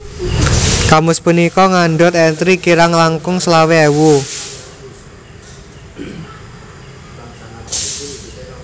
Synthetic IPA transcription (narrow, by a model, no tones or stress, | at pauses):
kamʊspunikɔŋaɳɖɔt̪ɛnt̪ɾikiɾaŋlaŋkʊŋslaweɛwu